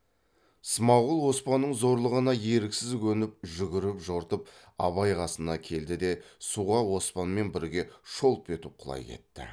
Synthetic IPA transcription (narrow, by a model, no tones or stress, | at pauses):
səmɑʁəlˠwo̞spɑnːəɴzo̞ɾlˠəʁənɑje̞ɾɪksɪzkʲʰɵnɪp̚ʒʏɡʲɪɾɪpʒo̞ɾt̪əp̚ | ɑ̰βɑjʁɑsənɑkʲʰe̞ld̪ɪd̪e̞suʁɑwo̞spɑnme̞nbɪɾɡʲe̞ʃo̞lˠpe̞t̪ɪp̚qʰʊlˠɑ̰jkʰḛt̪ːɪ̰